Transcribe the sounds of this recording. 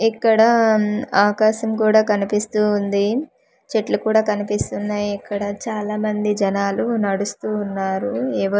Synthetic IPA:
ikːɐɽɐaːkaːʃɐmkuːɽaːkɐnipist̪uːnd̪i | t͡ʃeʈlɐkuːɽaːkɐnipist̪unːaːjiikːɐɽɐt͡ʃaːlaːmɐnd̪id͡ʒɐnaːlunɐɽust̪uːnːaːɾuɛːʋɐ

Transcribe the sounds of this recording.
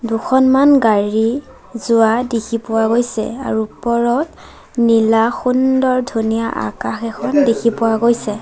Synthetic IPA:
dukʰɔnmanɡaɹi | zʊadekʰipʊwaɡojsɛ̰a̰ɹupɔɹɔt | nilaxundɔɹdʱunijaʔa̰kaxɛkʰɔndekʰipʊwaɡojsɛ

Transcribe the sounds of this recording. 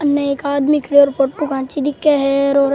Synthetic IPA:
ɐnːɛ̃eːkaːd̪mikʰɽeɔːɾpoʈʈukãːt͡ʃid̪ɪkːeɦɛɾoːɾ

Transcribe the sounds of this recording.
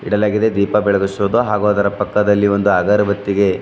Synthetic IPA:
ḭɽɐlaːɡid̪e̞d̪iːpɐbɛɭɐɡusuʋɐd̪oɦaːɡoːd̪ɐɾɐpɐkːɐd̪ɐlːiʋo̞nd̪uaːɡɐɾɐbɐt̪ːiɡe̞

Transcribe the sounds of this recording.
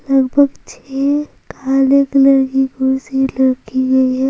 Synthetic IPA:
lɐɡbʱəɡt͡ʃʰe | kʰaːleklɐɾkikoselɐɾkiɡɐiɦɛ

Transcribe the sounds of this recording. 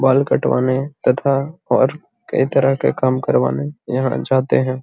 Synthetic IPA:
baːlkɐ̰ʈʋa̰ːnet̪ɐt̪ʰaɔːɾ | kɐ̰it̪ɐɾəɦkḛkaːmkɐɾʋa̰ːnejɐɦã̰d͡ʒaːt̪eɦɛ̃ː

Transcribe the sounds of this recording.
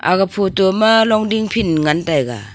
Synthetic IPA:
a̰ɡapʰotɔmalɔŋdiŋpʰinŋantajɡa̰

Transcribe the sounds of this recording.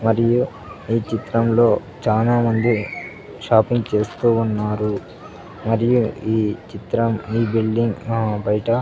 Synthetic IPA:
mɐɾiju | iːt͡ʃit̪ɾɐmlo̞ː | t͡ʃaːnaːmɐnd̪i | ʃaːpiŋɡt͡ʃe̞ːst̪uːnːaːɾu | mɐɾijuiːt͡ʃit̪ɾɐmiːbilɖiŋɡbɐjɐʈɐ

